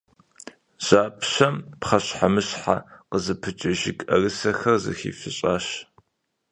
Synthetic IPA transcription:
z̥aːpʰɕɐmpχɐɕħamɨɕħa̰qəzɨpʰɨt͡ʃʼɐʒɪkʼɐrɨsɐxɐrzɨ̰xḭːfɨɕʼaːɕ

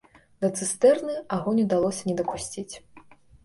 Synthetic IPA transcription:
d̪ɐt̪sɨst̪ɛrnɨaɣɔnʲɛd̪alˠɔsʲɐnʲɛd̪ɐkusʲt͡sʲit͡sʲ

